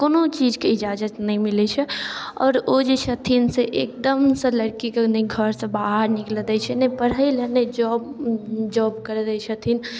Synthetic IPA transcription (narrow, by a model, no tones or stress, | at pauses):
koːnõt͡ʃiːd͡ʒkeɪd͡ʒaːd͡ʒət̪nəɦĩmilɛt͡ʃʰɛɔːɾod͡ʒeʃət̪ʰinseʔek̚d̪əmseləɽkikenəiɡʱəɾsẽbaɦəɾnɪkled̪ɛt͡ʃʰɛnəpəɽ̤əilened͡ʒɔːbd͡ʒɔːbkəɾed̪ɛt͡ʃʰət̪ʰin